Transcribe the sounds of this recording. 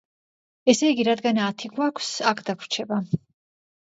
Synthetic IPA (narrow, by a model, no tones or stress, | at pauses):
ɛsɛiɡiɾad̪ɡanat̪ʰiɡwakʷʰsakʰd̪akʰɾ̥t͡ʃʰɛba